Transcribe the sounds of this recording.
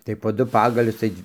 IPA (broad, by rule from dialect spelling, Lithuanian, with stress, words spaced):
tɐɪ poː ˈdʊ ˈpɑːɡɐlʲʊs ˈtɐɪ